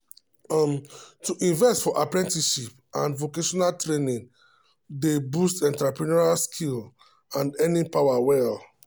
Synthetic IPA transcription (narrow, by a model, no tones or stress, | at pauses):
mtuʔĩnvɛstfɔʔapɹɛ̃ntiʃip | ã̰nvokeʃɔnaltɹenĩn | debustɛ̃ntɹapɹinɔɹalskʰil | ãnɛnipawawɛl